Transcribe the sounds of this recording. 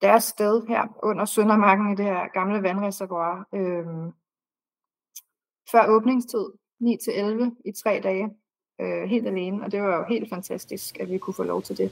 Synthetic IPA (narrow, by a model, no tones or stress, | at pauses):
d̥æɐsːd̥eð̞ˠɦæɐ̰ʔɔ̽n̰ɐsœnɐmɑ̈ɡ̥n̩id̥e̝hæɐ̰ɡ̥ɑ̈mləʋænʁɛsæɐʋwɑ̈ːøm | fɶɐ̰ɔ̽ːb̥ne̝ŋst͡sʰið̞̰ˠ | nḭːt͡sʰe̝ʔelʋəit͡sʰʁɛ̰ːd̥ɛːɪ | øɦe̝̰ːld̥æle̝ːnəɒ̽d̥e̝ʋɑ̈jo̝ɦe̝̰ːld̥fænt͡sʰæsd̥isɡ̥æʋikʰufɔ̰ːlɒʊt͡sʰe̝ld̥e̝